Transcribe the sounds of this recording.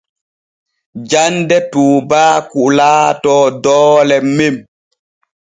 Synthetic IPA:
d͡ʒandɛtuːbaːkuʔlaːtɔːdɔːlɛmem

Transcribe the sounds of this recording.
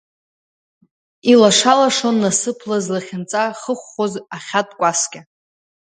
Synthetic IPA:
ilaʂalaʂo̞nːasɨpʰlazlaχʲɪnt͡sʼaχəχʷːozaχʲatʼkʷʼaskʲʼa

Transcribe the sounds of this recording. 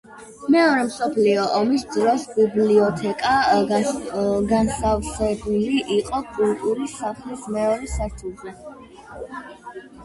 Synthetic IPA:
mɛɔɾɛmsɔpʰliɔʔɔmisd̪ɾɔsbibliɔt̪ʰɛkʼa | ɡansavsɛbuliʔiqʼɔkʼult̪ʼuɾisaχlismɛɔɾɛsaɾt̪ʰuʁɛ

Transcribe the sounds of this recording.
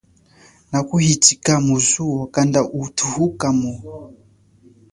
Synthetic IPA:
nakuhitikamuzuɔkandaʔutʰuhukamu

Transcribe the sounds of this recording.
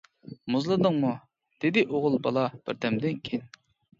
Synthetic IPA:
muzlˠɨd̪əŋmu | d̪̥ɪd̪ɪʔoʁʊlˠbɑ̰lˠɑb̥ɪ̰ɾd̪ɛmd̪ɪnkʲʰen

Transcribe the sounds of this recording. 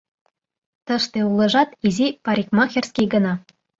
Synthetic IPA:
t̪ɤ̆ʃt̪ĕulˠɤ̆ʒɑt̪izipɑɾʲikmɑxʲerʲskʲiɡə̆nɑ

